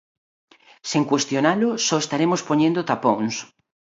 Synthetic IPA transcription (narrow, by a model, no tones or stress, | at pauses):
seŋkwest̪jonalʊsɔest̪aɾemospoɲẽnd̪ot̪apõŋs